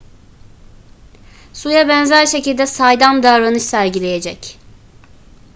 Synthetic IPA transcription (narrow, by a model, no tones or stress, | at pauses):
sujabɛnzæɾʃe̞cilʲd̪ɛsajd̪amd̪aɾanɯʃsæɾɟilʲe̞jed͡ʒɛc